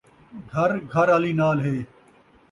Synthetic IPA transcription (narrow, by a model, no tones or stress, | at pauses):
ɡʱɐɾɡʱɐɾaliːnaːlɦeː